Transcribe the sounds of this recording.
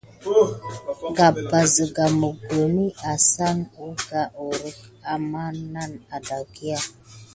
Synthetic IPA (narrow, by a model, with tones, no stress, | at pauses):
ɡa˨ba˨zə˨ɡa˨mə˨ɡə˨mi˦a˨sa˦nu˦ɡa˨ʔo˨ɾə˦ka˨ma˦na˦˨na˨da˨ɡi˦a˦